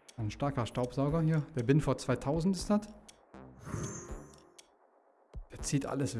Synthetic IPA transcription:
aɪnʃtaɐkɐʃtaʊpz̥aʊɡɐhiːɐd̥eːɐbɪnfoːɐt͡sv̥aɪtʰaʊzn̩tɪstd̥at | d̥eːɐt͡siːtʔa̰ləsv

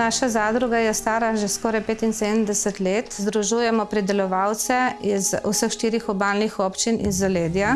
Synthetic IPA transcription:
naːʃazaːd̪ɾuɡajɛst̪aːɾaʒɛskɔːɾajpeːt̪insed̪əmd̪ɛsɛt̪leːt̪zd̪ɾuʒujɛmɔpɾid̪ɛlɔʋawt̪sɛizusəxʃt̪iːɾixɔbaːlnixɔpt͡ʃininzɔleːd̪ja

